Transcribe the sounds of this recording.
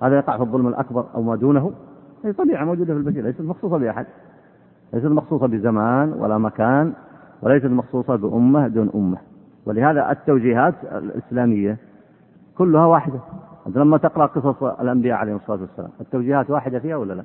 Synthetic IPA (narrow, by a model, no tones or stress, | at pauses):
haːðajɑqɑʕfiðˤːʊlmɪlʔa̰kbɑɾˤʔa̰wmaːd̪uːnaɦuhaːðit̪ˤɑbiːʕamowd͡ʒuːd̪afilbaθiːlajsat̪mɑxsˤuːsˤɑbɪʔaħad̪̚ | lajs̬at̪mɑxsˤuːsˤɑbɪzamaːnwa̰lamakaːnwɪlajs̬at̪mɑxsˤuːsˤɑbɪʔʊmːad̪uːnʔʊ̰mːa | wɪlɪhaːða̰ʔɪ̰t̪ːawd͡ʒiːɦaːt̪ɪ̰lɪ̰slaːmɪjːa | kʊlːʊhawaːħɪd̪aʔa̰nt̪alamːat̪ɪqɾɑʔqɨsˤɑsˤlʔambɪjaːʕalejːhɪmsˤːlaːt̪wasːala̰ːmʔɪt̪ːawd͡ʒiːhaːt̪waːħɪd̪afiːhawɪlːala